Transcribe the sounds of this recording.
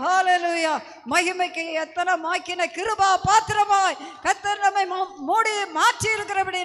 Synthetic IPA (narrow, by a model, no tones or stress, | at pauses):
haːlelujaː | mɐɣɪmɐɪkːɯɛt̪ːɐnɐmaːkːɪnɐkɪɾɯbaːpaːt̪ɾɐmaːjkɐt̪ːɐɾnɐmːɐɪmoːɽimaːʈriɪɾɯkːɪɾɐpɐɽɪ